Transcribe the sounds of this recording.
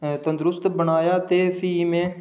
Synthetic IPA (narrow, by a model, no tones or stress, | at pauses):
t̪ənd̪ɾʊst̪bəɳaːjaːt̪eːpʰiːmẽː